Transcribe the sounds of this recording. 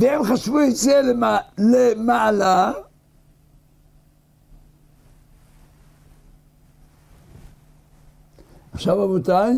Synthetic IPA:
vehemχaʃvujit͡selelemaʕala | aχʃavamutaj

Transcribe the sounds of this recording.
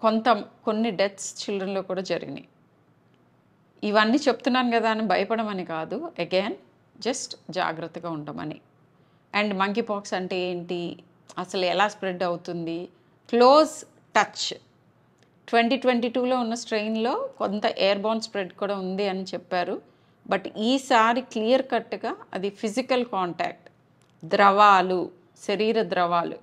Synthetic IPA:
ko̞nt̪ɐmko̞nːiɖet̪st͡ʃildɾɐnlo̞ːkuːɽaːd͡ʒɐɾḭɡḭnd̪ḭ | iʋɐnːiːt͡ʃebu̥t̪unːaːnɡɐd̪aːnɐmbɐjɐpɐɽɐmɐnikaːd̪ueɡeːn | d͡ʒɐsʈd͡ʒa̰ːɡɾɐt̪ːɐɡaːuɳɖɐmɐ̰nḭ | ɐɳɖmɐŋk̬ipaːksɐɳʈe̞eːɳʈi | ɐsɐluɛlaːspɾe̞ɖɐwut̪und̪i | klo̞ːz | ʈɐt͡ʃ | ʈʋeɳʈiːʈʋeɳʈiːʈuːlo̞ːunːɐsʈɾejnlo̞ːkont̪ɐʔeːɐɾbaːnspɾe̞ɖkuːɽaːund̪iɐnit͡ʃɛpːaːɾu | bɐʈiːsaːɾiklijɐɾkɐʈːuɡaːɐ̰d̪ipʰizikɐlkaːɳʈa̰ːk̚ʈ | d̪ɾɐʋaːlu | ʃɐɾiːɾɐd̪ɾɐʋaːlṵ

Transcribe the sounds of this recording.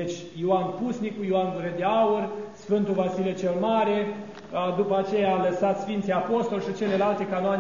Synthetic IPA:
et͡ʃʲ | joanpusnikujoand̪uved̪eaursfɨnt̪uvasilet͡ʃelmaɾe̞ | d̪upəat͡ʃe̞jaːləsat̪sfint̪siapo̞st̪o̞lʃit͡ʃe̞le̞lalt̪e̞kanoan

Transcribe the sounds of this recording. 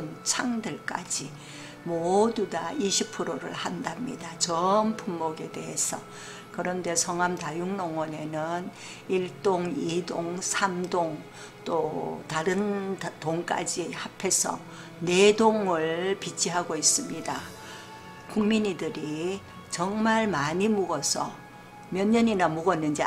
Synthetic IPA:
nt͡ɕʰaŋdɯɭk͈a̰d͡ʑi | modudaiɕʰip̚pʰɯɾoɾɯ̰ɭhandamɲḭdat͡ɕʌnpʰumːoɡe̞de̞ɦe̞sʰʌ | kɯɾʌnde̞sʰʌŋamtajuŋnoŋwʌne̞nɯn | iɭt͈oŋidoŋsʰamdoŋ | t͈otaɾɯntoŋk͈a̰d͡ʑihapʰe̞sʰʌ̰ | ne̞doŋɯɭpit͡ɕʰiɦaɡois͈ɯmɲida | kuŋmiɲidɯɾi | t͡ɕʌŋmaɭmaɲimuɡʌsʰʌ̰ | mjʌɲːʌɲinamuɡʌnːɯnd͡ʑi

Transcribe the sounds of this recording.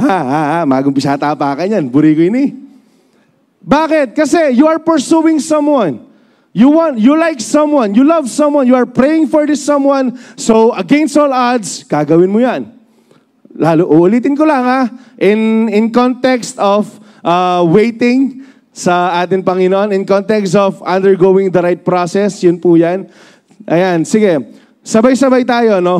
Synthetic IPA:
haahamaːɡʊŋmpɪsaːt̪aːpaːkɐnjanbʊɾiːkʊɪnɪ | baːkɪt̪̚kɐsɛjuɐɹpɛɹsuwɪ̃ŋsɐ̃mwãn | juwãnt̪julajksɐ̃mwãnjulɐvsɐ̃mwãnjuɐɹpɹejɪ̃ŋfɔɹd̪ɪsɐ̃mwãnsowʔɐɡɛ̃nst̪olaɹd̪skaɡɐwɪnmʊjan | laːlʊʔʊʔʊliːt̪ɪnkolaŋaʔɪnɪnkont̪ɛkst̪ɔf | ʔaːwejt̪ɪ̃ŋ | sɐʔaːt̪ɪŋpɐŋɪnoʔonɪnkont̪ɛkst̪ɔvʔɐ̃nd̪ɛɹɡowɪ̃ŋd̪ɐɾajt̪̚pɾosɛsjʊnpujan | ʔɐjansɪɡɛ | sɐbajsɐbajt̪aːjo̞no

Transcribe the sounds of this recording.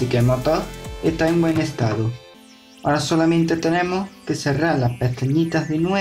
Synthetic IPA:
ikemot̪oet̪aeŋbwe̞nest̪aðu | aɾasolamẽnt̪e̞t̪ene̞mohkeseraɾlaspeθeɲit̪azðenwe

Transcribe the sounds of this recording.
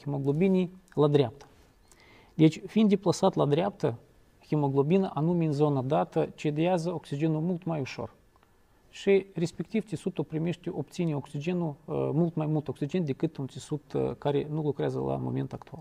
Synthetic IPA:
xʲimoɡlˠobʲinʲijlˠad̪ɾʲap̚t̪ə̥ | d̪ʲet͡ʃʲfʲind̪d̪ʲeplˠasat̪lˠad̪ɾʲap̚t̪ə | xʲemoɡlˠobʲinəʔanumʲinzo̞nad̪at̪ət͡ʃed̪azəoksʲid͡ʒenumulˠt̪majuʂo̞̰r | ʃɨɾʲespʲekt̪ʲift̪ʲisut̪opɾʲemʲeʂt̪ʲeʔopt̪sʲinʲioksʲid͡ʒenumulˠt̪majmulˠt̪oksʲid͡ʒend̪ʲekɨt̪unt̪ʲisud̪kaɾʲenulˠukɾʲeazə̰la̰momʲe̞nt̪akt̪ua̰lˠ

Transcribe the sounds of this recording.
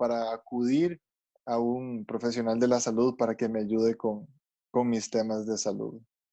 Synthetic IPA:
paɾaːkuðiɾ | aunpɾo̞fe̞s̬jo̞nald̪e̞lasaluðpaɾake̞meaʝuðekoŋ | ko̞ŋmist̪e̞mazd̪e̞salṵð

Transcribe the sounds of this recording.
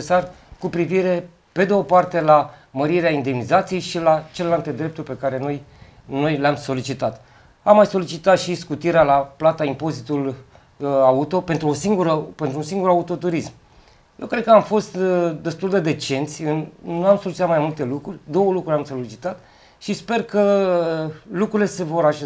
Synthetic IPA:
esarkupɾiviɾe̞ | pe̞d̪eopart̪e̞laməɾiɾeaind̪e̞mnizat̪sije̞jʃilat͡ʃe̞lelalt̪e̞d̪ɾe̞p̚t̪urʲpe̞kaɾe̞no̞j | no̞jleamso̞lit͡ʃit̪at̪ | amːajso̞lit͡ʃit̪at̪ʃiskut̪iɾealaplat̪aimpo̞zit̪ul | aut̪o̞pe̞nt̪ɾuosiŋɡuɾəpe̞nt̪ɾuːsiŋɡuɾaut̪o̞t̪uɾism | je̞wkɾed̪kəamfo̞st̪d̪e̞st̪uld̪ed̪e̞t͡ʃe̞nt̪sʲɨnːuamso̞lit͡ʃit̪at̪majmult̪e̞lukɾurʲd̪o̞wəlukɾuɾʲamso̞lit͡ʃit̪at̪ | ʃispe̞rkə | lukɾuɾilese̞vo̞ɾaʃe

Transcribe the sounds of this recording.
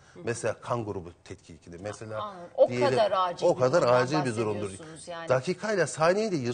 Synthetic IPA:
mɛselʲaːkʰanɡuɾubut̪ʰɛt̪cʰicʰinʲimɛselʲaːd̪ijed̪lʲiaokʰad̪aɾaːd͡ʒilʲbizo̞ɾund̪uɾd̪ud̪akʰiːkʰailʲˠasaːnejid̪ɛjɯ

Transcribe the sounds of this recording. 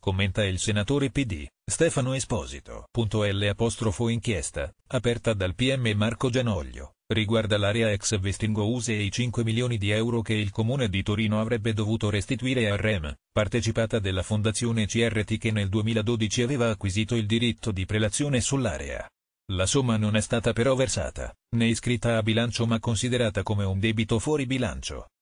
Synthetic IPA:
komːent̪ailsenat̪oːɾepid̪ḭ | st̪ɛːfanoespɔːzḭt̪o̰punt̪oɛlːeapɔst̪ɾofoiŋkjɛst̪a̰apɛrt̪ad̪alpiɛmːemarkod͡ʒanɔʎːo̰ | riɡward̪alaːɾeaɛksvest̪iŋɡouːzeit͡ʃiŋkwemiljoːnid̪iɛwɾok̟eilkomuːned̪it̪oɾiːnoavɾɛbːed̪ovuːt̪oɾest̪it̪uiːɾearːɛmpart̪et͡ʃipaːt̪ad̪elːafond̪at̪sːjoːnet͡ʃiɛrːet̪ik̟enːeld̪uemiːlad̪oːd̪it͡ʃiaveːvaːkːwiziːt̪oild̪iɾit̪ːod̪ipɾelat̪sːjoːnesulːa̰ːɾḛa̰ | lasomːanonɛst̪aːt̪apeɾɔversa̰ːt̪a̰neskɾit̪ːaːbilant͡ʃomakːonsid̪eɾaːt̪akomeund̪ɛːbit̪ofwɔːɾibila̰nt͡ʃo̰

